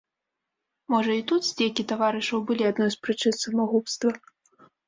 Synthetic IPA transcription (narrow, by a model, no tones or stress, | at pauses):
mɔʐɐit̪ut̪zʲdʲɛjkʲit̪avaɾɨʂɐwbɨlʲiad̪̚nɔjspɾɨt͡ʂɨnsɐmaɣupst̪vɐ